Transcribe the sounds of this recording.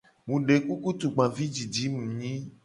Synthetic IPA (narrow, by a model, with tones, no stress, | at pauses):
mũ˨ɖe˨ku˦ku˦t̪u˨ɡ͡bã˨vi˦d͡ʒi˨d͡ʒi˨˦mũ˨ɲĩ˦